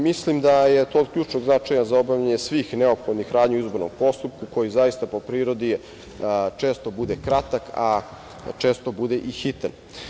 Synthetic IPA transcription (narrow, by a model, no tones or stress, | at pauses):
mislimd̪aje̞t̪oːd̪̚kʎuːt͡ʃnoɡznat͡ʃajazaobavʎaɲesʋiːxneo̞pxod̪nixɾaːd̪ɲiuizboɾno̰mpo̞st̪up̚kuko̞jizaist̪apo̞pɾiːɾo̞d̪i | t͡ʃe̞ːst̪o̞bud̪ekɾat̪aka̰ | t͡ʂe̞ːst̪o̞bud̪e̞ʔixit̪an